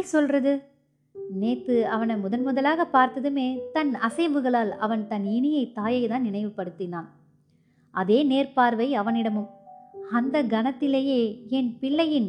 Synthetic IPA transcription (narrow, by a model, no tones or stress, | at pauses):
sɔlrɐðɯ | neːt̪ːɯɐʋɐnɐmʊðɐnmʊðɐlaːɣɐpːaːɾt̪ɐðɯmeːt̪ɐnɐsɐɪbɯɣɐɭaːlɐ̰ʋɐnt̪ɐnɪɳɪjɐɪt̪ːaːjɐɪt̪aːnnɪnɐɪʋɯpːɐɽɯt̪ːɪnaːn | ʔɐðeːneːrpaːɾʋɐɪɐʋɐnɪɽɐmɯmɐnd̪ɐɡɐnɐt̪ːɪleːjeːɛnpɪɭːɐjɪn